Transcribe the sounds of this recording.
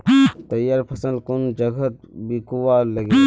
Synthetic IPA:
t̪ɐjaɾpʰɐsə̃nkʊnd͡ʒɐɡʱət̪̚bikuwalɐɡi

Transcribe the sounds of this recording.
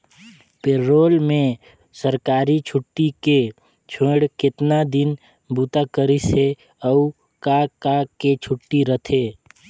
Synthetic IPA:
peːoːlmẽ | səɾkaːɾit͡ʃʰʊʈːike | t͡ʃʰẽːɽkɪt̪nad̪ɪn | buːt̪akəɾise | əu | kakaket͡ʃʰʊʈːiɾət̪ʰeː

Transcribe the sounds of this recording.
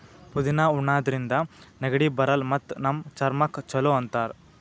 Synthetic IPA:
pud̪inaːuɳːaːd̪ɐɾind̪ɐnɐɡɐɽiːbɐɾɐlmɐt̪ːnɐmt͡ʃɐɾmɐkt͡ʃɐloːɐnt̪aːɾ

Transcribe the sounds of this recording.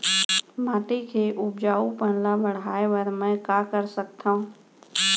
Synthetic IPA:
mãːʈikʰeːʔʊbd͡ʒaːupənlãbəɽ̤aːeʋəɾmɛ̃ːkaːkəɾsək̚t̪ʰaũ

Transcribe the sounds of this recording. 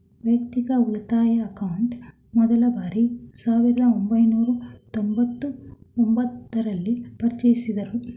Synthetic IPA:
ʋɐk̚t̪ikɐulɐt̪aːjɐːkɐwuɳʈ | mɔd̪ɐlɐbaːɾisaːʋiɾɐd̪ɐombɐjnuːɾut̪ombɐt̪ːuombɐt̪ːɐɾɐlːipɐɾt͡ʃɐjisid̪ɐɾu

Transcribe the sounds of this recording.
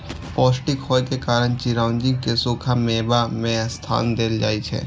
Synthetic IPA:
pɔːsʈikʰɔːjkekaːɾəñt͡ʃiɾãːʊnd͡ʒikesoːkʰameːbamẽst̪ʰa̰ːnd̪eːld͡ʒa̰ːit͡ʃʰɛ̰ː

